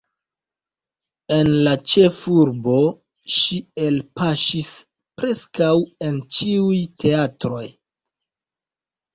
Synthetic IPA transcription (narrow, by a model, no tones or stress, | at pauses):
e̞nlat͡ʃe̞fuɾbo̞ | ʃielpaʃis | pɾe̞skawe̞nt͡ʃiujtʰe̞atɾo̞j